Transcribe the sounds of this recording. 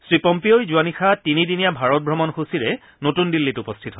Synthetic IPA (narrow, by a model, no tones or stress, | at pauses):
sɹipɔmpiojzuanixʰatinidinijabʱaɹɔt̚bʱɹɔmɔnxosiɹɛ | notundilːitupɔstʰitɦɔ